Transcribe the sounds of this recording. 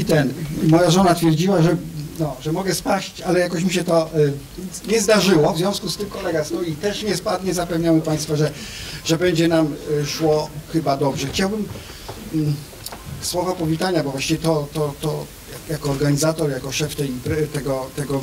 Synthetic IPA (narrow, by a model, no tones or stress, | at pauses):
it̪ɛnmɔjaʐɔnat̪fʲjɛɾd͡ʑiwaʐɛnɔʐɛmɔɡɛspaɕt͡ɕalɛjakɔɕmiɕɛt̪ɔ | ɲɛzd̪aʐɘwɔvzʲjɔ̃w̃skust̪ɘmkɔlɛɡasnɔit̪ɛʂɲɛspad̪ɲɛzapɛvɲawɛpaj̃st̪faʐɛʐɛbɛɲd͡ʑɛnamʂwɔxɘbad̪ɔbʐɛxt͡ɕawbɘm | swɔvapɔvʲit̪aɲabɔvwaɕt͡ɕivʲɛt̪ɔt̪ɔt̪ɔ | jajakɔːɾɡaɲizat̪ɔɾjakɔʂɛft̪ɛjpt̪ɛɡɔt̪ɛɡɔ